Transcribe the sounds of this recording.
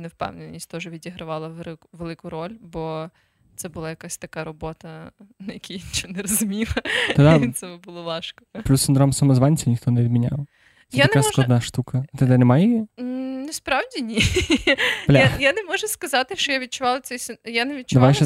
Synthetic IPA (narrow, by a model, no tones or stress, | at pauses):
nɛwpɛ̰wnɪnʲisʲt̪ɔʒɛʋʲidʲiɦɾɐʋɑlˠɐʋeɪkʋelˠɪkʊɾɔlʲbɔ | t̪sɛbʊlˠajɐkasʲt̪ɐkaɾɔbɔt̪ɐnɐjɐkʲiint͡ʃɔnɛɾɔzʊmʲilˠɐt̪d̪isɛmʊbʊlˠɔlˠɑʃkɔ̥plʲusʲɪnd̪ɾɔmsɐmɐzʋanʲt͡sʲɪnʲixt̪ɔnɛʋʲid̪mʲinʲa̰w̪ | sjɛaɐnkasklˠɔɐd̪naʃt̪ukɐt̪ɛd̪ɛnɛmajɛ | nɛspɾɑwdʲinʲi | ɐlʲaajanɛmɔʒɛskɐzɑt̪ɪʃt͡ʃɔjaʋʲid̪̚t͡ʃʊʋɑlˠɐsɛjsʲjaneʋʲid̪t͡ʃʊd̪ɐajʃɛ